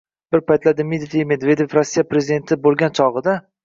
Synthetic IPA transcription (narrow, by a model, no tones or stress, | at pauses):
b̥ɪɾpʰajt̪lad̪ɪmed̪d̪ime̞d̪ve̞d̪e̞fɾosːijapɾezɪid̪e̞nt̪ʰɪbolˠɡʲant͡ʃʰɒʁɨd̪a